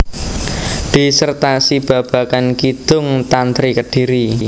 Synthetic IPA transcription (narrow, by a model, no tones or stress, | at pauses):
d̪̥i̤sərt̪asib̥a̤b̥ä̤kankid̪̥ʊŋt̪ant̪ɾikəɖ̥i̤ɾi